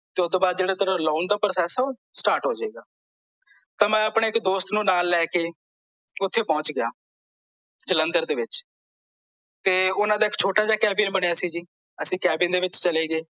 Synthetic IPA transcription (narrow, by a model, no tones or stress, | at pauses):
t̪eːʊd̪oːbaːd̪̚d͡ʒeːɽaːt̪əɾãːloːnd̪aːpɾəsɛːsoːsʈaːɾʈɦoːd͡ʒaːeːɡaː | t̪ãːmɛ̃ːəpɳeːɪkd̪oːst̪nũːnaːlːɛːkeː | ʊt̪ʰːeːpɔ̃ːt͡ʃɡɪja̰ː | d͡ʒələnd̪əɾd̪eːʋɪt͡ʃ | t̪eːʊnãːd̪aːɪkt͡ʃʰoːʈaːd͡ʒaːkɛːbɪnbəɽeːaːsĩːd͡ʒiː | əsĩːkɛːbɪnd̪eːʋɪt͡ʃt͡ʃəleːɡeː